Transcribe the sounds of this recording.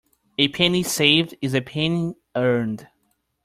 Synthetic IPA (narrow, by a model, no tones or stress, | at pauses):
ɨpʰɛnisevdɨzɨpʰɛni | ɜ˞nd̥